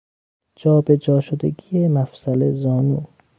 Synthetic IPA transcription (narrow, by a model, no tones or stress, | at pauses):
d͡ʒɒːbe̞d͡ʒɒːʃod̪eɡijemæfsælezɒːnu